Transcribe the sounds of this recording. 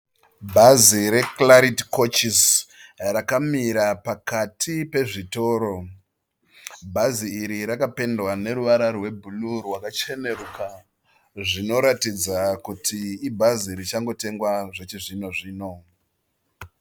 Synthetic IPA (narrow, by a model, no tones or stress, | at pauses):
bʱaziɾe̞klaɾitko̞t͡ʃisrakamiɾapakatʰipe̞ʐito̞ːɾo̞ | bʱaziːɾiɾakape̞ndwane̞ɾuʋaɾarwe̞bʱulurwakat͡ʃe̞ne̞ruka | ʐino̞ɾatid͡zakutʰiːbʱaziɾit͡ʃaŋɡo̞te̞ŋɡwaʐet͡ʃiʐino̞ʐiːno̞